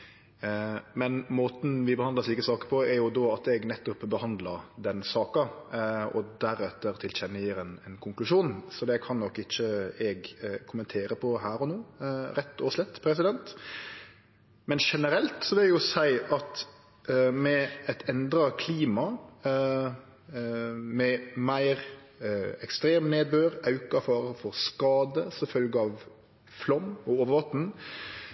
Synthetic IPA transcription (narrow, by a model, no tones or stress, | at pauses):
mɛnmoːt̪n̩ʋɪbəhɑnd̪əʂɭiːkəsɑːkə̥ɾpʰɔɛɾjʊd̪ɔɑt̪ɛɡnɛt̪ːʊpbəhɑnd̪ləɾd̪ɛnsɑːkɑ | ɔ̰d̪æɾɛt̪ːəɾt̪ʰɪlt͡ɕɛnːəjɪɾɛnɛnkʰʊŋklʉʂuːnsɔd̪ɛkʰɑnnɔkːɪt͡ʃːəɛɡkʰʊmənt̪ʰeːɾəpʰɔɦæːɾɔnuːɾɛt̪ːɔːʋʂlɛt̪ːpʰɾɛs̬ɪd̪ɛnt̪ | mɛnʃɛnəɾɛlt̪sɔʋɪlæɡjʊsæɪʔɑt̪ | mɛɛt̪ʰɛnd̪ɾɑkʰliːmɑ | mɛmæɪɾ | ɛkst̪ɾeːmneːd̪̚bøːɾɑʉkɑfɑːɾəfɔɾskɑːd̪əsɔfœlɡəɑːʋ | flɔmɔoːʋəɾʋɑt̪n̩